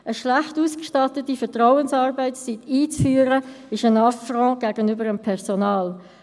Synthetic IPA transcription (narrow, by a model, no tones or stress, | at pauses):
əʃlæχtuːskʃtɑtətifəʁtʁawənsɑːɾbɛɪst͡sitiːt͡sfyːɾə | ɪʃənɑfrɔ̃ːɡ̥æːɡənybəɾəmpʰɛʁsonɑːl